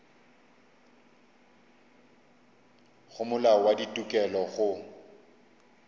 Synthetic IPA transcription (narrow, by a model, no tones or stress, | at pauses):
χʊmʊlawaditʼukʼɛlɔɣʊ